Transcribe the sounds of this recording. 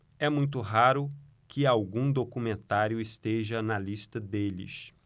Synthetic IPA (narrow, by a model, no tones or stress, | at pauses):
ɛmũj̃t̪̬ʊɦaɾʊ | kʰɪawɡũd̪okumẽnt̪aɾjʊɪst̪eʒɐnɐlist̪ɐd̪elɪ̰s